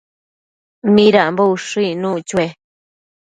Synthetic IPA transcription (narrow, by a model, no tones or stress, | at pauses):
mĩɾaʔmbouʂɨinũt͡ʃue